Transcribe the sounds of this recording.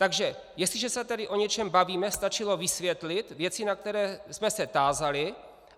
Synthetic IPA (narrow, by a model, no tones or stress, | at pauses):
t̪aɡʒɛjɛst̪lɪʒɛsɛt̪ɛdɪʔo̞ɲɛt͡ʃɛmbaviːmɛst̪at͡ʃɪlo̞vɪsvjɛt̪lɪt̪vjɛt͡sɪnak̚t̪ɛɾɛːsmɛsɛt̪aːzalɪ